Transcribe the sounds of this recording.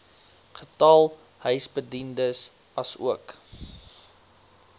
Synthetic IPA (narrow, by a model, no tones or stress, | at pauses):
χətɐlˠ | hœɥsbədindəs | ɐsṵək